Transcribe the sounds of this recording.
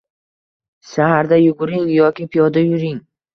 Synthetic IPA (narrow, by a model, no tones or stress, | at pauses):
ʃahaɾd̪ajʊɡʊɾɪŋjɒkʲɪpʰijɒd̪ajʊɾɪŋ